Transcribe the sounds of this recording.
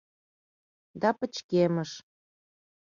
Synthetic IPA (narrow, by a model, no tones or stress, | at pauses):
d̪ɑpə̆t͡ɕkemə̆ʃ